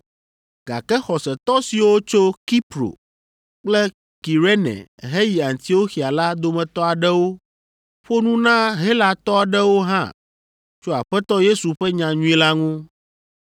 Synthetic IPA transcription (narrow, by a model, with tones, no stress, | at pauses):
ɡ̥a̰˨kɛ˦xɔ˨sɛ˨t̪ɔ˦si˨wo˦t͡ʃo˦ki˦pɾo̰˨ | k͡plɛ˦ | ki˨ɾe˦nɛ̰̃˨ɦe˦ji˨a˨ŋ˨t̪i˦wo˦xi˨a˨la˦d̪o˦mɛ̃˨t̪ɔ˦a˨ɖɛ˦wo˦ | ɸo˦nũ˦nã˦ɦe˦la˨t̪ɔ˦a˨ɖɛ˦wo˦ɦã̰˦ | t͡ʃo˦a˨ɸɛ˦t̪ɔ˦je˦su˨ɸɛ˦ɲã˨ɲũ˦i˦la˦ŋũ˦